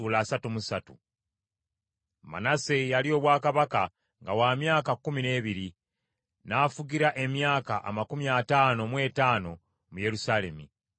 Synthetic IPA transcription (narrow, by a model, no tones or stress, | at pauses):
uːlaːsatumusatu | ma̰nase̞jalio̞ːβwaːkaβaka | ŋɡawaːmjaːkakːumine̞ːβiɾi | naːfuɟiɾaʔe̞mjaːkaʔa̰makumiataːno̞mwe̞ːtaːno̞ | muje̞ɾusale̞mi